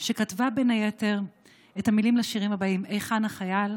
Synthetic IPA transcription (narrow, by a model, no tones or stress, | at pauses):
ʃekatvabenajeteʁ | etamilimleʃiʁimhabaimejχanaχajal